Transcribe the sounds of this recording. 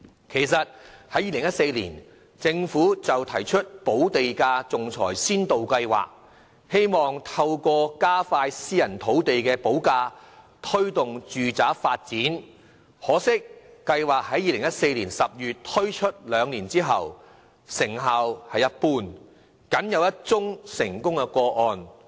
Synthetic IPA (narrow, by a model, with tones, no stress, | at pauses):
kʰe˨˩jsɐ˨t̚hɐ˨˥jiː˨lɪ˨˩ŋjɐ˥t̚se˧jliː˨˩n | t͡sɪ˧ŋfuː˨˥t͡sɐ˨wt̪ʰɐ˨˩jt͡ʃʰɵ˥t̚po˨˥wt̪e˨jkaː˧t͡sʊ˨ŋt͡sʰɔ̰ː˨˩jsiː˥nt̪o˨wkɐ˧jwa̰ː˨k̚ | he˥jmɔː˨ŋt̪ʰɐ˧wkʷɔː˧kaː˥faː˧jsiː˥jɐ˨˩nt̪ʰo˨˥wt̪e˨jkɛː˧po˨˥wkaː˧ | t̪ʰɵ˥ɥt̪ʊ˨ŋt͡ʃyː˨t͡saː˨˥faː˧t̚t͡siː˨˥n | hɔː˨˥sɪ˥k̚ːɐ˧jwaː˨˩k̚hɐ˨˥jiː˨˧lɪ˨˩ŋjɐ˥t̚se˧jliː˨˩nsɐ˨p̚jyː˨t̚t̪ʰɵ˥ɥt͡ʃʰɵ˥t̚lœː˨˧ŋliː˨˩nt͡siː˥ɦɐ̰˨w | sɪ˨˩ŋɦaː˨whɐ˨jːɐ˥t̚puː˨n | kɐ˨˥njɐ˨˧wjɐ˥t̚t͡sʊ˥ŋsɪ˨˩ŋkʊ˥ŋkɛ˧kʷɔː˧ʔɔː˧n